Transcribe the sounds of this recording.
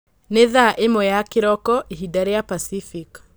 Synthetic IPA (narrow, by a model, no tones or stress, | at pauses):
neðaʔemɔjakeɾɔkɔʔeɦidaɾejapasifik